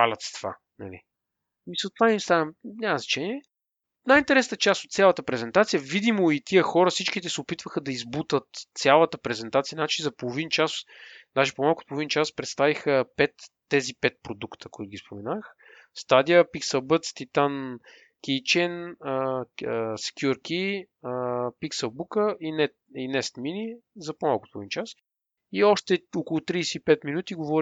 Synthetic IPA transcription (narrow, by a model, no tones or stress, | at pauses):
palʲɐt̪st̪v̥a̰ | nɐ̰lḭ | misəaimst̪aəmɲʲaməznɐt͡ʃɛniɛ | najint̪ɛɾɛsnt̪ət͡ʃast̪ot̪sʲjalˠət̪əpɾɛzɛnt̪at̪sijəvid̪imoit̪iəxɔɾəfsit͡ʃkit̪ɛsɛopit̪vəxəd̪ɐizbut̪ət̪sʲalˠət̪əpɾɛzɛnt̪at̪sijənat͡ʃizɐpolˠovint͡ʃasd̪aʒipomalˠkʊot̪̚polˠovint͡ʃaspɾɛt̪st̪avixəpɛt̪ːɛzipɛt̪̚pɾod̪ukt̪ə̥koʊit̪ʊɡʲispomɛnax | st̪ad̪iəpiksɛlˠbət̪st̪it̪an | kʲit͡ʃɛnəəsɛ̥kʲjuɾkʲi | əpiksɛlˠbukəʔinɛtinɛst̪minizɐpomalˠkʊt̪opolˠovint͡ʃas | iɔʃt̪ɛokolˠʊt̪ɾiːsɛipɛt̪minut̪iɡovɔɾ